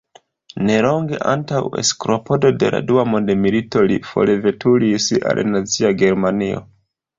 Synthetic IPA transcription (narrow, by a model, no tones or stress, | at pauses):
ne̞lo̞ŋɡe̞̰ʔa̰ntawḛskɾo̞po̞do̞de̞la̰duamo̞ndemilito̞lifo̞̰leve̞tʰulisa̰lnat͡siaɡe̞ɾmanio̞̰